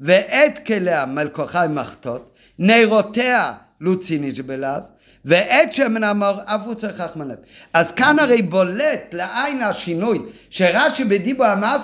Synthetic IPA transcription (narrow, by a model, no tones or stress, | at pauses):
veʔɛt̪keleamelkoχajmaχt̪ot̪ | nejʁotea | lut͡siniʃbelaz | veʔɛtʃɛmenamoʁavut͡seχaχmanɛmazkanaʁejbolɛt̪leʔajnhaʃinuj | ʃeʁaʃibed̪ibuamaz